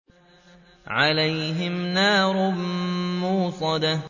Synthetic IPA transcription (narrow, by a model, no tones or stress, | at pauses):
ʕalajɦɪmnaːɾˤʊmuːsˤɑd̪a